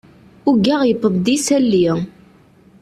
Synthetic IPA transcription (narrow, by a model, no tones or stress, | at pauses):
ʊɡæʁjəp̪ˤːəvd̪isælːi